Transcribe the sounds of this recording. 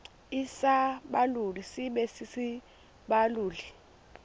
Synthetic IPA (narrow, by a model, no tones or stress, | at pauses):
isaɓalulisiɓɛsisi | ɓaluːli